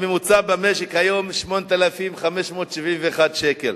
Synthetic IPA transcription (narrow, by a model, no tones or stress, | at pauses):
memut͡sabameʃekhajo̞mʃmo̞net̪alafimχameʃmo̞ːt̪ʃivimveːχad̪ʃekel